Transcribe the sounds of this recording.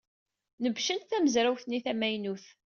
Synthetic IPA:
nəvʃənθæməzɾæwθniθæmæjnuθ

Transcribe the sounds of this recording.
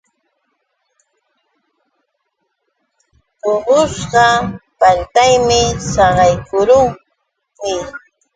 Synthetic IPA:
oɢosɢɑpant̪ajmɪsɑɢɑjkʊɾʊŋ | mɪ

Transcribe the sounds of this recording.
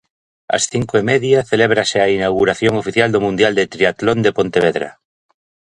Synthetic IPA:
a̰sθiŋkoemeðjaθeleβ̞ɾaseainawɣuɾaθjoŋofiθjald̪omũnd̪jald̪et̪ɾiat̪lond̪epont̪eβ̞eðɾa̰

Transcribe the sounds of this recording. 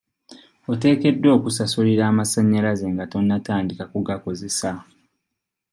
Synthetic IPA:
ote̞ːke̞dːwo̞ːkusasuliɾaːmasaɲːaɾaze̞ŋɡato̞nːataːndikakuɡako̞ze̞sa

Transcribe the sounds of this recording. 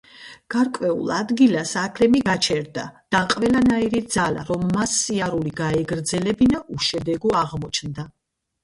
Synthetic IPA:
ɡ̥aɾkʼwɛṵlˠad̪ɡilasakʰlɛmiɡat͡ʃʰɛɾd̪a̰d̪̥aqʼvɛlanaiɾid̪z̥ala̰ɾɔmːasːiaɾuliɡaɛɡɾd̪zɛlɛbinaʔuʃɛd̪ɛɡɔaʁmɔt͡ʃʰnd̪a

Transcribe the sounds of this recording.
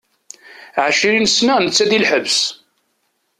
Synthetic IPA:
ʕaʃiɾinəsnænət͡sːæðilħəvs

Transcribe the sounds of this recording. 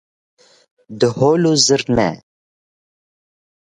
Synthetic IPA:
d̪əhoːluzəɾnɛ̰

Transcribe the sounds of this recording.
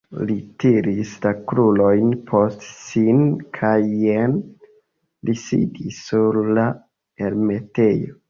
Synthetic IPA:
litiɾislakɾulo̞jnpʰo̞stsinkʰajːen | lisḭdisːuɾla | eɾmete̞jo

